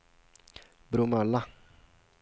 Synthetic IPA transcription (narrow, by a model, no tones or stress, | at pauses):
bɾumala